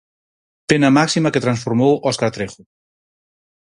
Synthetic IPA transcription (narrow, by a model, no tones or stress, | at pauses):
penamaksimaket̪ɾansfuɾmowɔskaɾt̪ɾexu